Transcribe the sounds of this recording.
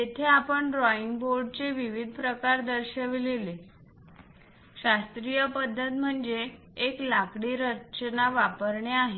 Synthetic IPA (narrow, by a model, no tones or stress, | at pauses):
t̪et̪ʰeapəɳɾɔiŋɡboɾɖ̚t͡seʋiʋid̪ʱpɾəkaɾd̪əɾɕəʋlele | ɕast̪ɾijəpəd̪ʱːət̪m̤əɳd͡zeː | klakɽiɾət͡ɕənaʋapəɾɳeaɦe